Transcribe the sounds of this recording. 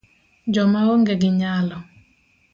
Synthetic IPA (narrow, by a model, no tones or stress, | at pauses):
d͡ʒɔmaɣoŋɡɛɡɪɲalɔ